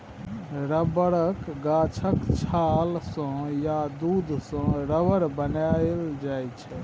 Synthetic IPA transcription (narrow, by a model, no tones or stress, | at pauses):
ɾəbəɽəkɡat͡ʃʰəkt͡ʃʰalsə̃jad̪ud̪ʱsə̃ɾəbəɾbənaɪld͡ʒajt͡ʃʰɛ